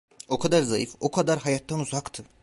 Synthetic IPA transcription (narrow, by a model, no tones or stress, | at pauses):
o̞kʰad̪aɾzajifo̞kʰad̪aɾɦajat̪ʰːanuzakt̪ʰɯ